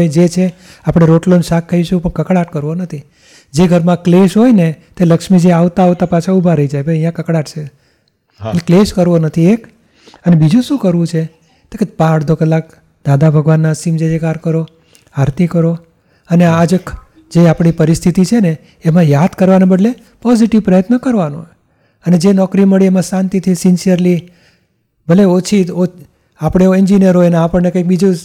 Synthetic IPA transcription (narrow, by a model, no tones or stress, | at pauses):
ed͡ʒet͡ʃʰe | apɽ̃eɾoʈlonʃakʰːəiʃkũpəɳkəkɽaʈkəɾʋonət̪ʰi | d͡ʒeɡʱəɾmãkleʃɦojnet̪eləkʃmid͡ʒeaʋt̪aɦoʋt̪apat͡ʃʰaubʱaɾəid͡ʒajbəəjãkəkɽaʈt͡ʃʰe | elekleʃkəɾʋonət̪ʰiek | ənebid͡ʒũʃũkəɾʋũt͡ʃʰe | t̪eket̪pãəɽd̪ʱokəlak̚ | d̪ad̪abʱəɡʋanːasimd͡ʒed͡ʒekaɾkəɾo | aɾt̪ikəɾo | ənead͡ʒk | d͡ʒeapɳ̃ipəɾist̪ʰit̪it͡ʃʰeneː | mãjad̪kəɾʋanãbəɖle | pɔziʈiʋpɾəjət̪nəkəɾʋano̰ɦ | əned͡ʒenɔkɾiməɭiemãsãnt̪it̪ʰisinsijəɾli | bʱəleot͡ʃʰio | apɽ̃eoiɲd͡ʒinijəɾɦojneapəɳnekə̃jk̚bid͡ʒũ